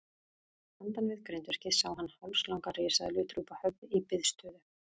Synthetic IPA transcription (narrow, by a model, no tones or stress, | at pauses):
hant̪anvɪðkɾʏnt̪ʏɾ̥cɪsawɦanːhawlslawŋkaɾeːsaðlʏːt̪ɾuːpahœpɪipɪðst̪œːðʏ